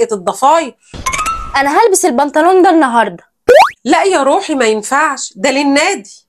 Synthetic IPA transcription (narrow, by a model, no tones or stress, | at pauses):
ʔet̪d̪ˤːɑfɑːjɾ | ʔænæɦælbɪselbɑnt̪ˤɑnuːnd̪ænːɑɦɑɾˤd̪ˤɑ | læʔjɑɾˤuːħimæjenfaʕʃd̪ælɪnːæːd̪i